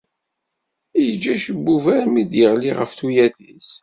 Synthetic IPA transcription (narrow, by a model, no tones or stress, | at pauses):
jəd͡ʒːæʃəbːuvæɾmid̪jəʁliʁə̰fθujæθis